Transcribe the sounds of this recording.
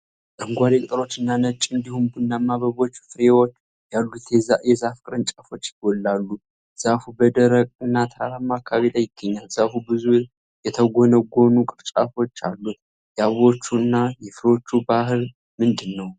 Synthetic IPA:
ʔʼəŋɡʷaɾekʼt̪ʼəɾo̞t͡ʃːɨnːanət͡ʃʼːɨnd̪ihumbunːamːaβəβo̞t͡ʃːfɨɾewot͡ʃː | jalːut̪zajɛzafkʼɨɾɨnt͡ʃʼafo̞t͡ʃːjɪɡolːalːu | z̥afubəd̪əɾəkʼɨnːat̪ʰaɾamːakʰaβelajɪɡ̥ːəɲːalz̥afubɨzu | jɛt̪ʰəɡonəɡʷo̞nukʼɨɾt͡ʃʼafo̞t͡ʃːa̰lːu | jɛaββo̞t͡ʃːuɨnːajɛfɾeo̞t͡ʃːubahɨl | mɨnd̪ɨnːəw

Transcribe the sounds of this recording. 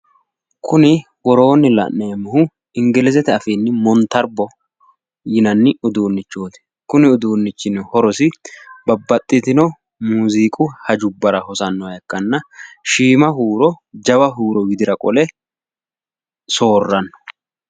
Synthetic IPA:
kʰʊnɪ | wɔɾo̞ːnɪlɐ̰ʔnemːɐhʊ | ɪŋɡɪlɛzɛt̪ɛɐfiːnːɪmɔnt̪ːɐɾbɔ | jɪnɐnːɪʊd̪uːnːɪt͡ʃːoːt̪ɛ̥ | kʊnɪʊd̪uːnːɪt͡ʃːɪnhɔɾɔsɪbɐbːɐt̪ʼːɪt̪ɪnɔ | muːziːkʼʊhɐd͡ʒʊbːɐɾɐhɔsɐnːɔɐjɛkːɐnːɐʃiːmɐɦuːɾɔd͡ʒɐbɐɦuːɾɔwɪd̪ɪɾɐkʼɔlɛ | so̞ːrːɐnːɔ̥

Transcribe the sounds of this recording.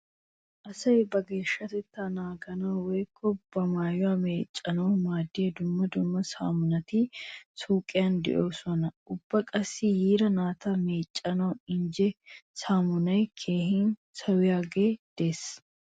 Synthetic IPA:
ʔɐsɐjbɐɡeːʃːɐt̪ɛt̪ːanaːɡɐnɐwwɛjkʰːɔb̥ɐmaːjʊwaːmeːt͡ʃʼːɐnɐmaːd̪ɪeːd̪ʊmːɐd̪ʊmːɐsa̰ːmʊnɐt̪isuːkʼːɪjand̪ɪ̰ʔoːsɔnɐʔʊb̥ːɐkʼɐsːijiːɾɐnaːt̪ɐmeːt͡ʃʼːɐnɐwɪɲd͡ʒɛsaːmʊnɐjkʰe̞ːhɪnsɐwɪjaːɡeːd̪̥e̞ːs

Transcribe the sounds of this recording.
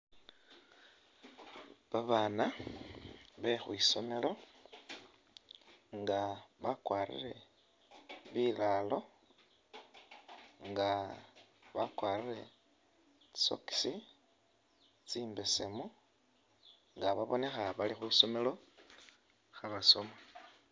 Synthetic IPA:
βaβaːna | βexwiːso̞me̞lo̞ | ŋɡaβakwaːɾḭɾe̞ | βilalo̞ | ŋɡa | βakwaːrire̞ | so̞̰ki̥si | t͡siːmbe̞semu | ŋɡaβaβo̞ne̞xaβalixwiːso̞me̞lo̞ | xaβaso̞ma

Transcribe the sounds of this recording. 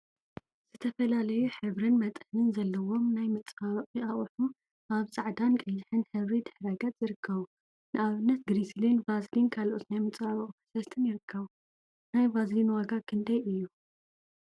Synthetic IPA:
z̥ɨt̪ʰɐfɐlalɐjuħɨβɾɨnmɐt̪ʼħnɨnzɐlːɐwo̞mnajmɨt͡sʼaβʼiʔaχʼħu | ʔaβsʼaʕd̪ankʼɐjːɪħɨnħɨβɾid̪ɨħɾɐɡɐt̪z̥ɨɾɨkʰːɐβu | nɨʔaβɨnːɐt̪̚ɡɾislinvazlinkʰalʔo̞t̪najmɨt͡sʼfaβɐqʼfsɐst̪ʰɨnjɪɾɨkʰːɐβu | najvazlinwaɡakʰɨnd̪ɐjʔɨjːu

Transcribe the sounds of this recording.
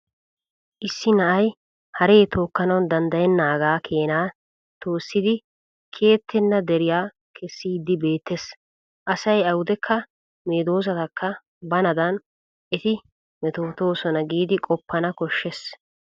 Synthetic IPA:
ʔɪsːɪnɐʔɐj | hɐɾeːt̪o̞ːkːɐnɐwnd̪ɐnd̪ɐjɛnːaːɡaːkʰe̞ːnaː | t̪o̞ːsːɪd̪ɪ | kʰe̞ːt̪ʰːɛnːɐd̪ɛɾɪjaː | kʰɛsːiːd̪ːɪbe̞ːt̪ːes | ʔɐsɐjɐwʊd̪ɛkʰːɐ | meːd̪o̞ːs̬ɐt̪ɐkːɐ | bɐnɐd̪ɐn | ʔɛt̪ɪ | mɛt̪o̞ːt̪o̞ːsɔnɐɡiːd̪ɪkʼɔpːɐnɐkɔʃːɛs

